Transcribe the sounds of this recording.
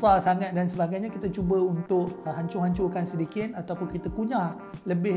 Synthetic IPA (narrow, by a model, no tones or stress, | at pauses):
sasaŋat̪̚dansəbaɡajɲãkit̪at͡ʃubəunt̪ʊʔɦaɲt͡ʃʊɦaɲt͡ʃʊkansədikɪt̪̚at̪awpʊnkit̪akuɲã | ləbɪ